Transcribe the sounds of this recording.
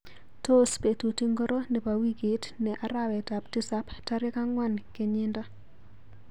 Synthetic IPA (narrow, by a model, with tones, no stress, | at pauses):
to˦spe˨tu˨ti˦ŋɡɔ˦ɾo˦nɛ˨pa˨wi˦ki˨tnɛ˨ʔa˨ɾawɛ˨ta˨pti˦sa˦pta˦ɾɪ˦ka˦ŋwa˦˨nke˨ɲɪ˦nda˦